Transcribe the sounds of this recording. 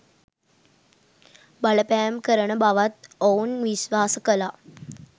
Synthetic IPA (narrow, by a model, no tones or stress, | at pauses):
baləpæjmkəɾəɳəbaʋat̪onʋisʋaːsəkəla